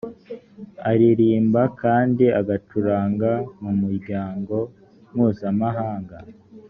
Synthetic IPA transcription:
aɾiɾiːmbakaːndiaɡatuɾaːŋɡamumuɾɟaːŋɡo̞ | mŋuːzamaɦaːŋɡa

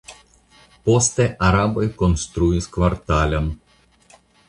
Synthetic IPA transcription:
pɔst̪ʲɛʔɐɾaːbɔjkɔnst̪ɾujiskʋaɾt̪aːlʲɛm

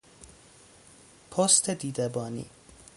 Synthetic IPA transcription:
pʰost̪ʰed̪iːd̪ebɒːnḭː

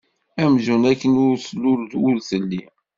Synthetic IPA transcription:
æmʒunækːənʊɾsəlːʊɾd̪wʊlθəlːi

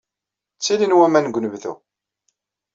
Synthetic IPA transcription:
t͡sːilinwæmænɡʷːnəvðṵ

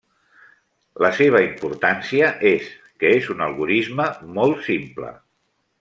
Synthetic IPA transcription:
ləseβ̞əimpuɾt̪ansiəʔes | kəezunəlˠɣuɾizməmɔlˠtsimplə̰

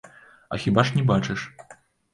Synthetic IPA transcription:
ɐ̰xʲibaʂnʲɛbat͡ʂɛʂ

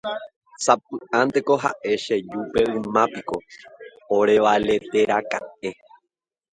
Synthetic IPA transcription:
sap̚ɨãnd̪eko̞ɦa̰ʔe̞ʃe̞d͡ʒupe̞ɨ̃mãpiko̞ | oɾe̞ʋale̞t̪e̞ɾaka̰e̞

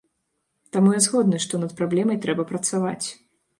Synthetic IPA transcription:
t̪amujɛzɣɔd̪nɨʂt̪ɔnɐt̪̚pɾablʲɛmɐjt̪ɾɛbɐpɾɐt̪savat͡sʲ

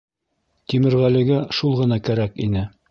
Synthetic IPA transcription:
t̪imɘ̆ɾʁælɘ̆ɡæʃulˠʁɤ̆nɑkæɾækḭnɘ

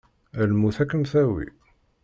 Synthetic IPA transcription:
ælmuθækːənθæwḭ

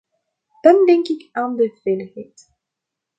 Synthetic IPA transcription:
d̥ɑndɛŋkɪkaːndəv̥eləxɛjt

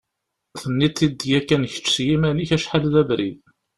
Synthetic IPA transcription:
θənːit̪ːid̪ːjækːænçə̥t͡sːsjimæniçæʃħalðævɾḭð

